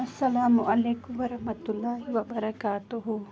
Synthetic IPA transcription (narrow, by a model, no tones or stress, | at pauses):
ɐsːɐlaːmʊʔɐleːkʊmʋɐɾɐhmɐt̪ulːaːɦiʋɐbɐɾɐkaːt̪ʊɦu